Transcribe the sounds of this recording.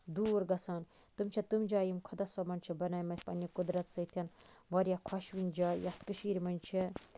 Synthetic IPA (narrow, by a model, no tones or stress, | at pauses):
d̪uːɾɡɐsaːn | t̪umt͡ʃʰɐt̪umd͡ʒaːjimkʰɐd̪ɐsɔmɐnʲt͡ʃʰibɐnaːjmɐt̪ʲpɐ̰nʲikud̪ɾɐt̪sɐt̪ʰʲɐnʋɐɾʲjakʰɔʃʋinʲd͡ʒaːjɐt̪kɨʃiːɾʲmɐnʲt͡ʃʰi